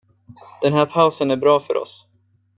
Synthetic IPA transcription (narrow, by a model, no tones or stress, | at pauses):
d̪̥ɛnɦæːɾpʰaʊsənæɾbɾɑːfœ̰ɾʔɔ̰s